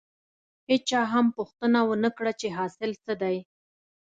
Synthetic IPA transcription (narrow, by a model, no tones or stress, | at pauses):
het͡ʃɑɦampʊxt̪ənawənəkɽat͡ʃeɦɑsɪlsəd̪aj